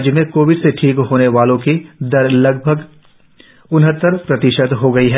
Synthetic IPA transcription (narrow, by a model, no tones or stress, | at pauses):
d͡ʒjəmẽkoːʋɪɖseʈʰiːkɦoːneʋaːlõkid̪ɐɾlɐɡ̚bʱəɡ | ʊnɦət̪ːəɾpɾɐt̪ɪʃəd̪ɦoɡɐiɦɛː